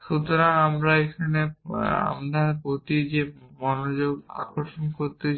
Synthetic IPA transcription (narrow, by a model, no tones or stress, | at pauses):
ʃut̪oɾaamɾaekʰanea̰md̪ʱapot̪id͡ʑemɔnod͡ʑoɡa̰koɾʃonkoɾt̪e